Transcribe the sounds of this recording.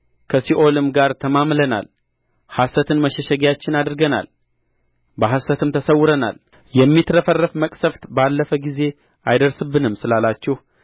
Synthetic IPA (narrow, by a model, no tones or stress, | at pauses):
kʰəsiʔo̞lɨmɡaɾt̪ʰəmamləna̰l | hasət̪ʰɨnməʃɛʃəɡjat͡ʃːɪnad̪ɨɾɡəna̰l | bəɦasət̪ʰɨmt̪ʰəsəwːʊɾəna̰l | jɛmːit̪ʰɾəfərːəfməkʼsəft̪balːəfəɡize̞ | ʔajd̪əɾsɨbːɨnɨmsɨlalat͡ʃːɛh